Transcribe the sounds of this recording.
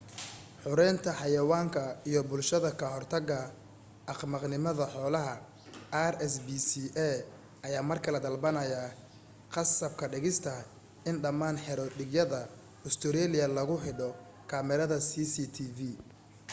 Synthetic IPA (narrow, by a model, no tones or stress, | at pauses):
ħʊɾɛnt̪ʰɐħɑjɐwaːŋkʰɐijɔbʊlʃɐðɐkʰɐɦɔrt̪ʰɐɡɐ | ɑqmɑqnɪmɐðɐħɔːlɐɦɐ | arɛsbisiːʔɛ | ɐjaːmɐrkʰɐlɐd̪ɐlbɐnɐja | qɑsɐb̚kʰɐɖɪɣɪst̪ʰɐ | ɪnɖɐmaːnħɛɾɔɖɪɡjɐðɐ | ʊst̪ʰʊɾɛlɪjɐlɐɣʊħɪɖɔ | kʰaːmɛɾɐðɐsisiːt̪ʰiːviː